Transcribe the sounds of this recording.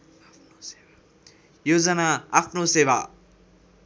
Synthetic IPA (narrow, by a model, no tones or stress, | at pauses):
jod͡zʌnaapʰnoseba